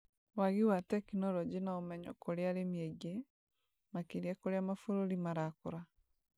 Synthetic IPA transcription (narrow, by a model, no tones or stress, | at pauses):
waɣiwatɛkinɔɾɔd͡ʑenaɔmɛɲɔ̰koɾeaɾemiɛɣe | makeɾiakoɾeamafoɾoɾimaɾakoɾa